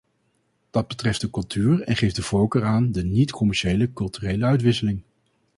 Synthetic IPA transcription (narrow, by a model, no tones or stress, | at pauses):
d̥ɑd̚bətrɛftdəkɵlˠtʰyːɹɛ̰nχejfdəvɔwkəɹaːndənitkʰɔmɛɹʃejləkɵlˠtyrejləœɥtʋɪsəlɪŋ